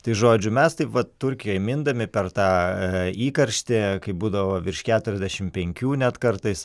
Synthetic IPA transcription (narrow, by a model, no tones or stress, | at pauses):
t̪ɐɪʒoːd͡ʒʲʊmʲɛst̪ɐɪpʋɐtt̪ʊɾʲkʲɪjoːɛmʲɪnd̪ɐmʲɪpʲɛrt̪ɑːiːkɐɾʲʃʲt̪ʲɪkɐɪbuːd̪ɐʋoːʋʲɪrʃkʲæːt̪ʊɾʲɛzʲd̪ʲæʃʲɪmpʲɛŋʲkʲuːnʲɛt̪kɐrt̪ɐɪs